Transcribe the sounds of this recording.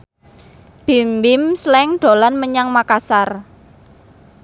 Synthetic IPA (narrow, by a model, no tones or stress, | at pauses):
b̥i̤mbɪmslɛŋɖ̪̥o̤lanməɲaŋmakasar